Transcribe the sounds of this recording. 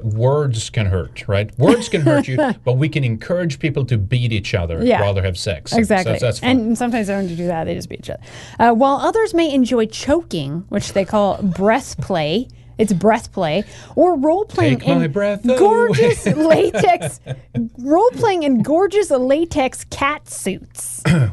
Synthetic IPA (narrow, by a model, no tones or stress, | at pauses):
wɜ˞dz̥kʰɨ̃nɦɜ̰˞t̚ɹa̰ɪt̚wɜ˞dz̥kɨ̃nɦɜt͡ʃɨb̥ʌt̚wikɨ̃nɨ̃nkʰɜ˞ɨd͡ʒ̥pʰipl̩ˠtʰɨbiɾit͡ʃʌ̰ðə̰˞jæɹɑ̰ðə˞ɨv̥sɛ̰ksɨɡzæk̚ˡlḭsʔɨ̃nsʌ̃mtʰãɪ̃mzaɪdõnt͡ʃɨdɨðɨt̪̚ðeɪd͡ʒʌsb̥ḭɾit͡ʃʌ̰ðə˞ | ʔʌwaɪlˠʌðə˞zmeɪɨ̃nd͡ʒɔɪt͡ʃʰoʊkɪ̃ŋwɨt͡ʃðeɪkʰɔlˠbɹɛθpʰl̥eɪ | ɨtsbɹɛθpʰl̥eɪ | ʔə˞ɹoʊlˠpʰl̥eɪɪ̃ŋɨ̃nbɹɛθɡɔɹd͡ʒɨsleɪtʰɛks | ɹoʊlˠpʰl̥eɪɪ̃ŋɨ̃nɡɔɹd͡ʒɨsleɪtʰɛkskʰætsʉts